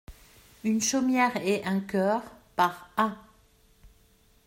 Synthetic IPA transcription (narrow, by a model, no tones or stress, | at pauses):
ynʃomjɛʁɛʔɛ̃kʲœːʁpaʁa